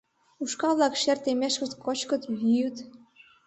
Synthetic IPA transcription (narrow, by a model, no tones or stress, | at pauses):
uʃkɑβlɑkʃert̪emeʃkə̆t̪kot͡ɕkɤ̆t̪βʲijut̪